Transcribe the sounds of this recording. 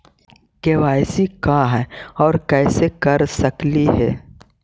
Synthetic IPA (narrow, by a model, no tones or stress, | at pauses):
keːwaːɪsikaɦɛːɔːɾkɛːsekɐɾsɐkliɦɛ̰ː